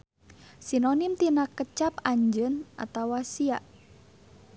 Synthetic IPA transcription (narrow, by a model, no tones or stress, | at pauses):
sinonɪmt̪inakət͡ʃapaɲd͡ʒənʔa̰t̪awasiaʔ